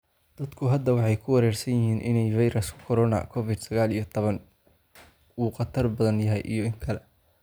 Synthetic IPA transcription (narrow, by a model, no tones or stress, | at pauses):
d̪̥ɐd̪kʰʊɦɐd̪ːɐwɑħɑjkʰʊwɑɾɛːrsɐnjɪɦiːnʔɪ̰nɛjfɑjɾɐskʰɔɾɔːnɐ̰kʰɔvɪd̪sɐɣaːlijɞt̪ʰɔβɐn | uːqɑt̪ʰɐrbɐðɐnjɐɦɛjʔḭjɔɪŋkʰɐlɛ